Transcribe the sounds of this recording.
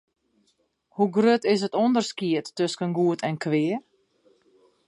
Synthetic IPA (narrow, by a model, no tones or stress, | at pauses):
huɡrøtɪsətɔndərskiətːøskənɡuətʰɛnkʰʋɪər